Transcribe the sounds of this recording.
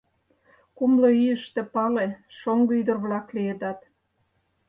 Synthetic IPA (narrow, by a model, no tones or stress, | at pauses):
kumloyjəʃt̪ĕpɑleʃoŋɡoyd̪ərβlɑklijed̪ɑt̪